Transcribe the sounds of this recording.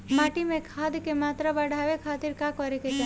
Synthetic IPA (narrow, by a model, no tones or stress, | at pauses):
maːʈimẽkʰad̪kemaːt̪ɾabaɽʱaʋekʰaːt̪iɾkakɔɾeket͡ʃa